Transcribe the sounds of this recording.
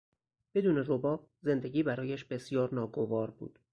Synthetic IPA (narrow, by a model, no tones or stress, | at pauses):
b̥e̞d̪uːneɾobɒː | ze̞nd̪e̞ɟiːbæɾɒːjæʃbe̞sjɒːɾnɒːɡo̞vɒːɾbṵːd̪̥